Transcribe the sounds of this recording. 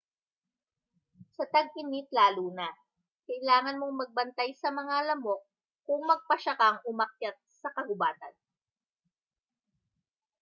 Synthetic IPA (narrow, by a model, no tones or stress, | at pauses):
sɐt̪ɐɡ̚ʔɪnip̪laːluːna | kɐʔɪlaːŋɐnmoŋmɐɡ̚bɐnt̪ajsɐmɐŋalɐmok̚ː | ʊŋmɐɡ̚pɐʃɐkaŋʔʊmɐk̚jat̪̚sɐkɐɡʊbaːt̪ɐn